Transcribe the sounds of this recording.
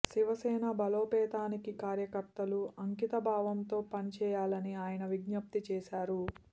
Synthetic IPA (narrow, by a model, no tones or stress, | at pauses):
siʋɐsɛːnɐbɐloːpɛːt̪aːnikikaːɾjɐkɐɾt̪ɐluɐŋkit̪ɐbʱaːʋɐnt̪o̞ːpɐnit͡ʃɛːjaːlɐniaːjɐnɐʋiɡnɐp̚t̪it͡ʃɛːʃaːɾu